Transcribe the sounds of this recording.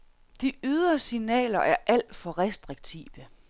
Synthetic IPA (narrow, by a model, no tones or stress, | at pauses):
d̥iyð̞ˠɐsinɛ̰ːlɐʔæɐʔæl̰d̥fɒ̽ʁɛsd̥ʁiɡ̥̚t͡sʰḭːʋə